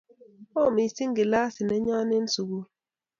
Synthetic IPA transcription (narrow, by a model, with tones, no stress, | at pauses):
o˦˨mi˨si˦ŋɡi˨la˦si˨nɛ˦ɲa˦ni˦n˦su˨ɡu˦